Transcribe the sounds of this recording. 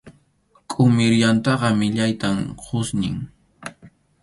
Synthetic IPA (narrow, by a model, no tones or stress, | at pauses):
kʼʊmɪɾjant̪ɑɢɑmɪʎajt̪amqʰʊsnɪ̰ŋ